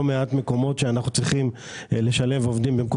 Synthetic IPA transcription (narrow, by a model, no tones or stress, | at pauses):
omeatme̞ko̞mo̞tʃeanaχnut͡sʁiχim | leʃale̞vovd̪imbemko